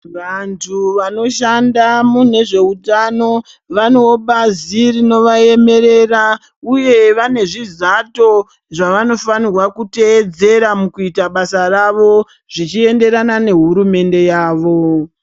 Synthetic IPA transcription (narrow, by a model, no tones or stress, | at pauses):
ʋantʰuʋano̞ʃandamune̞ʐe̞utano̞ | ʋano̞oɓazirino̞ʋaje̞me̞ɾe̞ra | uje̞ʋane̞ʐizato̞ | ʐaʋano̞fanirwakute̞ːd͡ze̞ɾamukuitaɓasaraʋo̞ | ʐit͡ʃie̞nde̞ɾanane̞ɦuɾume̞nde̞jaːʋo̞